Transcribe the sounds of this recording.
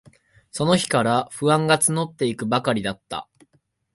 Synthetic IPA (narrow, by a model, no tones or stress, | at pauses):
so̞no̞çi̥kaɾaɸɯ̟ãŋɡat͡sɨno̞t̪ːe̞ikɯ̟bakaɾʲid̪at̪ːa̰